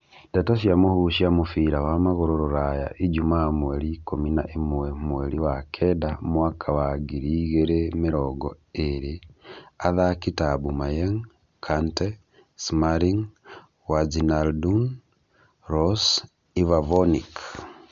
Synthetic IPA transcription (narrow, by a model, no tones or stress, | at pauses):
datoʃiamuhuʃiamufiɾawamaɣoɾoɾoɾaja̰ʔid͡ʒumamwelikomina̰ʔimuwemweliwakʰedamwakʰawaɡiɾiɣeɾemiɾɔɡɔ̰eɾiaðakitabumajeŋ | kʰante | smaɾiŋ | wad͡ʒinaldun | ɾɔs | ivavonḭk